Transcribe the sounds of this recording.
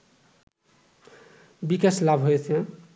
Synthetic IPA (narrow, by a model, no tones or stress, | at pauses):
bikeslabʱɦoetʰɛ